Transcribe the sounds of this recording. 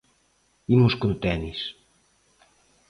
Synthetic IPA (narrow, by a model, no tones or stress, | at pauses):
imuskunt̪ɛnis